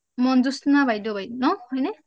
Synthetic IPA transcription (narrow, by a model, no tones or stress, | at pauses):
mɔnzusnabajdɔbajdnɔhɔjnɛ